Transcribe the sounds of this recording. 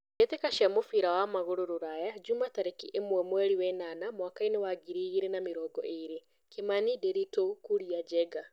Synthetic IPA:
detekaʃamofiɾawamaɣoɾoɾoɾajad͡ʒumataɾekiʔemwɛmwɛɾiwɛnanamwakaenewaɡiɾiɣiɾenameɾɔːɡɔ̰ʔeɾe | kemanideɾitokuɾiad͡ʒɛɡa

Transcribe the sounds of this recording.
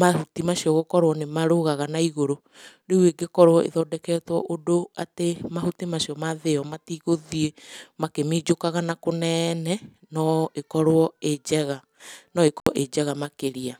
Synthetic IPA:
mahutimaʃiɔɣokɔɾowɔnemaɾoɣaɣanaiɣoɾo | ɾeweɡekɔɾwɔʔḛðɔdɛkɛtwɔʔodoatemahutimaʃiɔmaðeɔmatiɣoðiemakemiːd͡ʒokaɣanakonɛnɛ | nɔekɔɾwɔed͡ʒɛɣa | nɔekɔɔʔed͡ʒɛɣamakeɾia

